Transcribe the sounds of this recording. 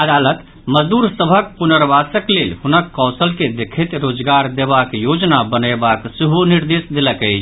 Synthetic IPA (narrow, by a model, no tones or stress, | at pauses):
əd̪alət̪ | məd͡ʒd̪uɾsəbʱək̚punəɾbasəklelɦunəkːɔsəlked̪ekʰɛt̪ɾod͡ʒɡaɾd̪ebakjod͡ʒnabənəbakseɦuniɾd̪esd̪eləkɛt͡ʃʰ